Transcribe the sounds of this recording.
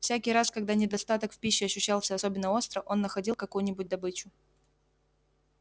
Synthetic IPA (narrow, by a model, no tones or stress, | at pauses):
fsʲækʲɪjɾaskɐɡ̚d̪anʲɪd̪ɐst̪at̪əkfʲpʲiɕːɪɐɕːʏɕːalˠsʲəɐso̞bʲɪnːəo̞st̪ɾəʔo̞nːəxɐdʲilˠkɐkujʊnʲɪbʊt̚ʲd̪ɐbɨt͡ɕʊ